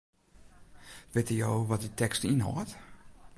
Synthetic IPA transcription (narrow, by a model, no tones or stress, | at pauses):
ʋɪtəjoːʋɔt̚ditʰɛkstinɦɔ̰t